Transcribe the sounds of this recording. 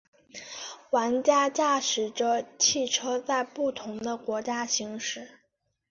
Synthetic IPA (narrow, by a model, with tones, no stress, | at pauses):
wa˧˥nt͡ɕja˥t͡ɕja˥˩ʂɻ̩˨˩ʈ͡ʂə˧t͡ɕʰi˥˩ʈ͡ʂʰɤ˥t͡sa˥˧ɪpu˥˩t̪ʰʊ˧˥ŋd̪ə˧kwɔ˧˥t͡ɕja˥ɕi˧˥ŋʂɻ̩˥˩˦